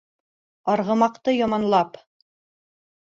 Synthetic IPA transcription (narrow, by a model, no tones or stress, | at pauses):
ɑɾʁɤ̆mɑqt̪ɤjɑmɑnlˠɑp